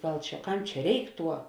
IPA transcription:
ˈɡɐlˠ ˈt͡ʃʲɛ ˈkɐm ˈt͡ʃʲɛ ˈrʲɛɪk ˈtuɔ

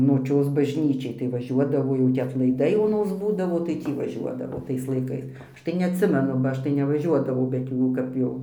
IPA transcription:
noːˈt͡ʃʲoːs bɐʒʲˈnʲiːt͡ʃʲɛɪ tɐɪ ʋɐˈʒʲuɔdɐʋoː ˈjɛʊ tʲiː ɐtlˠɐɪˈdɐɪ oːˈnoːs ˈbuːdɐʋoː tɐɪ ˈtʲiː ʋɐˈʒʲuɔdɐʋoː ˈtɐɪs lˠɐɪˈkɐɪs ˈɐʃ tɐɪ nʲɛɐtʲˈsʲɪmʲɛnʊ bɐ ˈɐʃ tɐɪ nʲɛʋɐˈʒʲuɔdɐʋɐʊ bʲɛt ˈjuː kɐp ˈjɛʊ

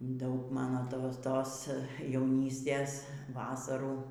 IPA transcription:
ˈdɐʊk ˈmɑːnoː ˈtoːs ˈtoːs jɛʊˈnʲiːsʲtʲeːs ˈʋɑːsɐruː

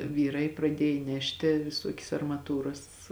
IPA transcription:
ˈʋʲiːˌrɐɪ prɐˈdʲiɛj ˈnʲæːʃʲtʲɪ ʋʲɪˈsuɔkʲɛs ɐrmɐˈtuːrɐs

